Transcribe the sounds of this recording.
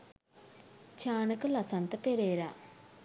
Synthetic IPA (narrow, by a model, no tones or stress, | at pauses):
t͡ʃaːɳɐkɐlɐsant̪ɐpeɾeːɾa